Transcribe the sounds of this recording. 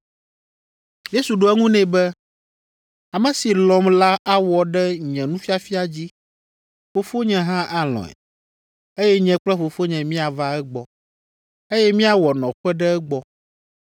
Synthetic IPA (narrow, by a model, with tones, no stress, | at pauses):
je˦su˨ɖo˨˦ɛ˦ŋũ˦nɛ̃˨bɛ˦ | a˨mɛ̃˨si˨lɔ̃˨mla˦ʔa˦wɔ˨ɖɛ˦ɲɛ̃˨nũ˦fi˦a˦fi˦a˨d͡ʑi˦ | ɸo˨fo˦ɲɛ̃˨ɦã˦ʔa˨l̃ɔ̰̃˨ɛ̰˨ | e˦jɛ˦ɲɛ̃˦k͡plɛ˦ɸo˨fo˦ɲɛ̃˨mĩ˦a˨va˦ɛ˦ɡ͡bɔ˨ | e˦jɛ˦mĩ˦a˨wɔ˨nɔ̃˨ɸɛ˦ɖɛ˦ɛ˦ɡ͡bɔ˦